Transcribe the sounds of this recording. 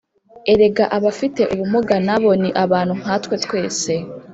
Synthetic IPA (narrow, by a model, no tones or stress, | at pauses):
e̞ɾe̞ɡaʔaβafite̞ʔuβumuɡanaβo̞niʔaβaːn̥huŋ̥atwe̞tkwe̞ːse̞